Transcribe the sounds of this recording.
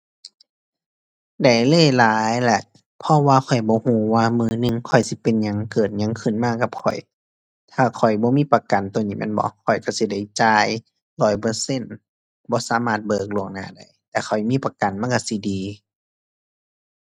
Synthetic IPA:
da˨˩jlɤː˧˥˨jlaː˨˦jlɛ˧˩ʔ | pʰɔ˧˨waː˧kʰɔ˨˩jbɔː˧˦huː˧˩waː˧mɯː˧nɯ˧˨ŋkʰɔ˨˩jsi˧˦pe˨nɲa˧˨ŋkɤː˨˩t̪̚ɲa˧˨ŋkʰɯ˧˩˨nmaː˧˨ka˧˦p̚kʰɔ̰˨˩j | t̪ʰaː˧˩kʰɔ˨˩jbɔː˧˦miː˧˥˨pa˧ka˨nt̪o˧˨niː˧˩mɛ̰˧˥˨nbɔ̰˧˦kʰɔ˨˩jka˧˩si˧˦da˧˩jt͡ɕaː˧j | lɔː˨˩jpɤː˧se˧˥˨n | bɔː˧˦saː˧˦maː˧˩t̪̚bɤː˧˩k̚lo˧˩ŋna̰ː˧˨da˧˩jt̪ɛː˧kʰɔ˨˩jmiː˧˥˨pa˧ka˨nma˧˨ka˧˩si˧˦diː˨

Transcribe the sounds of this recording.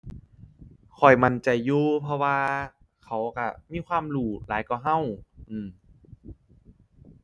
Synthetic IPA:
kʰɔ˨˩jma˧˩nt͡ɕa˨˩jːuː˧pʰɔ˧waː˧ | kʰa˨˦wka˧˩miː˧˥˨kʰwaː˧˥˨mluː˧˩laː˨˦jkɔː˧˩ɦa˧˥˨wʔɯː˧˩m

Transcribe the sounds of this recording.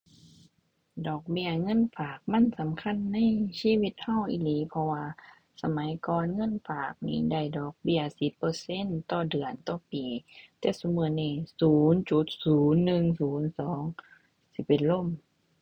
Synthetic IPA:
dɔː˨˩k̚bi˧ɐŋɤ˧˥˨nfaː˨˩k̚ma˧˥˨nsa˨˦mkʰa˧˥˨nːa˧˥˨jsiː˧˥˨wi˧t̪̚ha˧˩˨wʔḭ˧liː˨˦pʰɔ˧waː˧ | sa˧ma˨˦jkɔː˨˧nŋɤ˧˥˨nfaː˨˩k̚niː˧˩da˧˩˨jdɔː˨˩k̚bi˧˩ɐsi˧˦pːɤː˧se˧˥˨nt̪ɔː˧˩dɯ˨˩ənt̪ɔː˧˩piː˨˩t̪ɛː˧˩su˧˦mɯ˧˦nːiː˧˩suː˨˦nt͡ɕu˧˦t̪̚suː˨˦nːɯ˧ŋsuː˨˦nsɔː˨˦ŋ | si˧˦pe˨nlo˧˥˨m

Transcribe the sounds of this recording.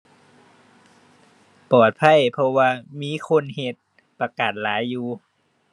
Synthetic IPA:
pɔː˨˩t̪̚pʰa˧˥˨jpʰɔ˧waː˧miː˧˥˨kʰo˧˥˨nhe˧t̪̚ | pa˧kaː˨˩t̪̚laː˨˦jːuː˧

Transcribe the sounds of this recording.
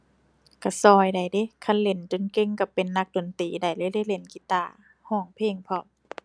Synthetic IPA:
ka˧˩sɔː˧˩jda˨˩jde˧˦kʰa˧˥˨nle˨˧˩nt͡ɕo˨nke˧˨ŋka˧˩pe˨nːa˧k̚do˨˩˨nt̪iː˨˩da˨˩jlɤː˧˨jla˧˨jle˧˩˦nki˧˦t̪aː˧˩ | hɔː˧˩˨ŋpʰeː˧˨ŋpʰɔ˧˩p̚

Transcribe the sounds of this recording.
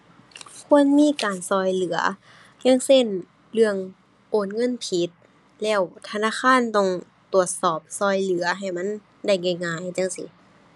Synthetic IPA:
kʰu˧˨ənmiː˧˥˨kaː˨nsɔː˧˩jlɯ˨˦ɐ̰ | ɲa˧˥˨ŋse˧˥˨n | lɯ˧˩əŋ | ʔoː˨˩nŋɤ˧˥˨npʰi˧˦t̪̚ | lɛː˧˩wt̪ʰa˧naː˧˥˨xʰaː˧˥˨nt̪ɔ˧˩ŋ | t̪u˨˩ət̪̚sɔː˨˩p̚sɔː˧˩jlɯ˨˦ɐɦa˨˩jma˧˥˨n | da˧˥˩jŋa˧˩jŋaː˧˩˨jt͡ɕa˧˥˨ŋsḭ˧˦

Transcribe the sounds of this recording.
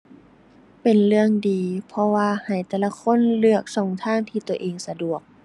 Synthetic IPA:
pe˨˩nlɯ˧əŋdiː˨pʰɔ˧waː˧ha˨˩jt̪ɛː˧˩la˧kʰo˧˥˨nlɯ˧˩ək̚sɔː˧˨˩ŋt̪ʰaː˧˥˩ŋt̪ʰiː˧t̪u˧˩əʔeː˨ŋsa˧du˨˩ək̚

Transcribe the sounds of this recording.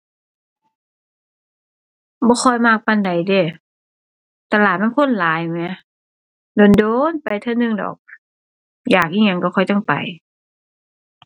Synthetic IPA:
bɔː˧˦xʰɔ˧˩jmaː˧˩k̚pa˧˨nda˨jdeː˧˩ | t̪a˧laː˨˩t̪̚ma˧˥˨kʰo˧˥˨nlaː˨˦jmɛ˧˦ | doː˨ndoː˧˨npa˨˩jt̪ʰɤ˧˨nɯ˧˨ŋdɔ̰ː˨˩k̚ | jaː˨˩k̚ʔiː˧˩ŋɲa˧ŋkɔ˧˩kʰɔ˧˩jt͡ɕɔ˧˥˩ŋpa̰˨˩j

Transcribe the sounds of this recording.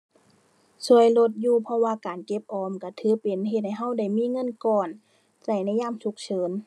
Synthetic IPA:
su˧˩əjlo˧t̪̚juː˧pʰɔ˧waː˧kaː˨˩nke˧˦p̚ʔɔː˧˦mka˧˩t̪ʰɯː˧˥˦pe˨nɦe˧t̪̚ha˧˩jɦa˧˥˨wda˧˩jmiː˧˥˨ŋɤ˧˥˨nkɔː˧˩n | sa˧˩jna˧˥˨jaː˧˥˨msu˧˦k̚sʰɤː˨˦n

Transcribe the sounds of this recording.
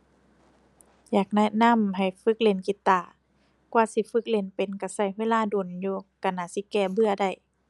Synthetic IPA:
jaː˨˩k̚nɛ˧na˧˥˨mɦa˨˩jfɯ˧˦k̚le˧˩nki˧˦t̪ːaː˧˩˨ | kwaː˧si˧˦fɯ˧˦k̚le˧˩npe˨nka˧˩sa˧˩˨jweː˧˥˨laː˧˨doː˨˩njuː˧ka˧˩naː˧˩˨si˧˦kɛː˧˩bɯ˧ɐda˧˩j

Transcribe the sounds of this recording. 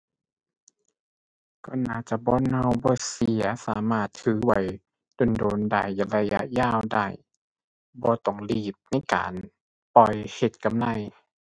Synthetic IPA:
kɔː˧˩naː˧˩t͡ɕa˧bɔː˧˥˨nha˧˩wbɔː˧˦si˨˧˩ɐsaː˨˦maː˧˩t̪ʰːɯː˨˦wa˨˩j | do˨˩ndoː˨˦nda̰˧˩˨jla˧ja˧jaː˧˩˨wdaː˧˩˨j | bɔː˧˦t̪ɔ˧˩ŋliː˧˩p̚na˧˥˨jka̰ː˨n | pɔ˧jhe˧˩t̪̚ka˨mla˧˥˨j

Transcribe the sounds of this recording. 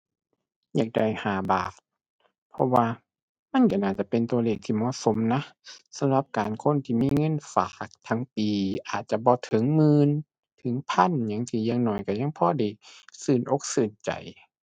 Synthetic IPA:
ɲa˧˩k̚da˧˩jhaː˨˦baː˨˩t̪̚ | pʰɔ˧waː˧ | ma˧˥˨nka˧˩naː˧˩t͡ɕa˧˦pe˨nt̪u˧ɐ˧leː˧˩k̚t̪ʰiː˧˩mɔ˧˨so˧˦mna˧˥sa˧˦mla˧˦p̚kaː˨nkʰo˧˥˨nt̪ʰiː˧˨miː˧˥˨ŋɤ˧˥˨nfa̰ː˨˦k̚t̪ʰa˧ŋpiː˨ʔaː˨˩t̪̚t͡ɕa˧˦bɔː˧˦t̪ʰɤ˨˦ŋmɯː˧˨n | t̪ʰɯ˨˦ŋpʰa˧˥˨nɲa˧˥˨ŋt̪ʰiː˧˩˨jaː˧˨ŋnɔː˧˩˨jka˧˩ɲa˧˥˨ŋpʰɔː˧˥˨da˧˨˩sɯː˧˩nʔo˧˦k̚sɯː˧˩nt͡ɕa̰˨˩j

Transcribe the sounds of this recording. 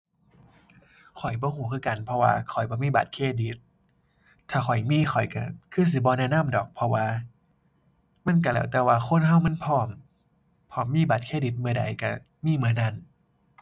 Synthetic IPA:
kʰɔ˨˩jbɔː˧˦huː˨˧˦kʰɯː˧˩˨ka˧˦npʰɔ˧wa̰ː˧kʰɔ˨˩jbɔː˧˦miː˧˩ba̰˨˩t̪̚kʰeː˧˩˨di˨˦t̪̚ʰː | aː˧˩xʰɔ˨˩jmiː˧˥˨xʰɔ˨˩jka˧˩kʰɯː˧˩˨s̬i˧˦bɔː˧˦nɛː˧˨naː˧˥˨mdɔː˨˩k̚pʰɔ˧waː˧ | ma˧˥˨nk̬a˧˩lɛː˧˩wt̪ɛː˧˩waː˧xʰo˧˥˨nɦa˧˩wma˧˥˨npʰɔː˧˩m | pʰɔː˧˩mːiː˧˥˨baː˨˩t̪̚kʰeː˧˩˨di˧˦t̪̚mɯ˧əda̰˨˦jka˧˩ | miː˧˥˨mɯ˧əna˧˥˨n

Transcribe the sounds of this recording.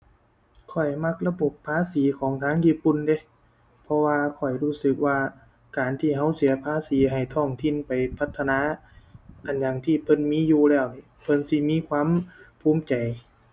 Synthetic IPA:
kʰɔ˨˩jma˧˩k̚la˧bo˨˩pʰːaː˧˥˨siː˨˦kʰɔː˨˦ŋt̪ʰaː˧˥˨ŋjiː˧˥˩pu˧˨nde˧˦ | pʰɔ˧waː˧kʰɔ˨˩jɾuː˧˥˩sɯ˨˧˩k̚waː˧ | kaː˨nt̪ʰiː˧˩ɦa˧˥wsi˨˦ɐpʰaː˧˥siː˨˦ɦa˨˩jt̪ʰɔː˧˩ŋt̪ʰi˧˥˨npa˨jpʰa˧˩t̪ʰːa˧naː˧˥ | ʔa˨˩nja˨˩ŋt̪ʰiː˧˩pʰɤ˧˥˨nmiː˧˥˨juː˧lɛː˧˩wniː˧˩pʰɤ˧˥˨nsi˧˩miː˧˥˨kʰwaː˧˥˨mpʰuː˧˥˨mt͡ɕa˨˩j

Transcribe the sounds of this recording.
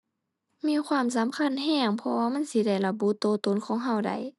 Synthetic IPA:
miː˧˥˨kʰwaː˧˥˨ms̬a˨˦mkʰa˧˥˨nɦɛː˧˩ŋpʰɔ˧waː˧ma˧˥˨nsi˧˦da˧˩jla˧bu˧˥t̪oː˧˦t̪o˧˨nkʰɔː˧˦ŋɦa˧˩˨wda̰˨˩j

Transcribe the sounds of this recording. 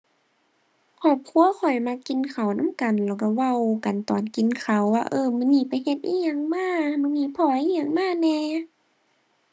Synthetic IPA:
kʰɔː˧˩p̚kʰu˧˨əkʰɔ˨˩jma˧˥kːi˨nkʰa˨˩wna˧˥˨mka˨˩nlɛː˧˩wka˧˩wa˧˩˨wka˨nt̪ɔː˨˩nki˨nkʰa˨˩wwaː˧ʔɤː˧mɯː˧˨ŋiː˧˨pa˨jhe˧t̪̚ʔiː˧˨ɲa˧˨ŋmaː˧˥˩mɯː˧˨ŋiː˧˥˨pʰɔː˧˩ʔiː˧˨ɲaː˧˨ŋmaː˧˥˨nɛː˧˦

